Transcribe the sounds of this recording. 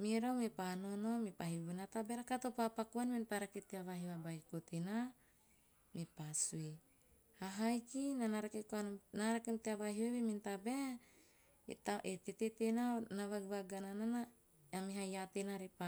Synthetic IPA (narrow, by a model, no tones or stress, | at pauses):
miɾawmipanonomipahibunat̪abeɾakat̪opapakuanminpaɾaket̪eavaɦiwabajkot̪ena | mipasue | haɦajkinanaɾakekuannaɾakemt̪eavaɦiawemint̪abe | taet̪et̪et̪enanaβaɡuβaɡananana | amiɦajat̪enaɾepa